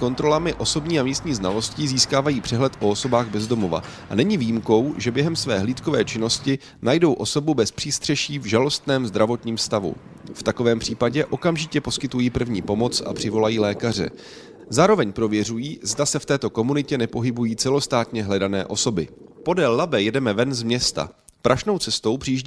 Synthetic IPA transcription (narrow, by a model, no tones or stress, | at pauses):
ko̞nt̪ɾo̞lamɪʔo̞so̞bɲiːamiːst̪ɲiːznalo̞sciziːskaːvajiːpr̝̥ɛɦlɛt̪ʔo̞oso̞baːɣbɛzdo̞mo̞va̰ | ʔanɛɲɪvijimko̞wʒɛbjɛɦɛmsvɛːɦliːt̪ko̞vɛːt͡ʃɪno̞scɪ | najdo̞wʔo̞so̞bubɛspr̥iːst̪r̥ɛʃiːvʒalo̞st̪nɛːmzd̪ɾavo̞t̪ɲiːmst̪avṵ | ft̪ako̞vɛːmpr̥iːpaɟɛʔo̞kamʒɪcɛpo̞skɪt̪ujiːpr̩vɲiːpo̞mo̞t͡sa̰pr̥ɪvo̞lajiːlɛːkar̝ɛ̰ | zaːɾo̞vɛɲpɾo̞vjɛr̝ujiːzdasɛft̪ɛːt̪o̞ko̞munɪcɛnɛpo̞ɦɪbujiːt͡sɛlo̞st̪aːt̪ɲɛɦlɛdanɛ̰ːʔo̞so̞bɪpo̞dɛlːabɛjɛdɛmɛvɛnzmɲɛst̪a̰ | pɾʔaʃno̞wt͡sɛst̪o̞wpr̥iːʒɟ